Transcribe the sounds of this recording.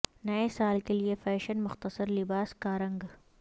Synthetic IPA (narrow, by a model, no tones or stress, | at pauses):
nɐjesaːlk̪elijefɛːʃənmʊxt̪ɐsɐɾlibaːskaːɾəŋɡ